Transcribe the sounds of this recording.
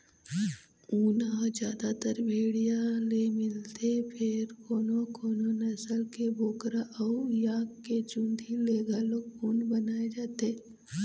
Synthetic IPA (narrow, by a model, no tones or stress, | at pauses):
uːnad͡ʒjaːd̪at̪əɾbʱeːɽijãlemɪlt̪epʰɪɾkoːnokʰoːnonɐsəlkeboːkɾaʔɔjaːkːet͡ʃũnd̪ʱileːɡaloːɡuːnbɐnaːed͡ʒaːt̪e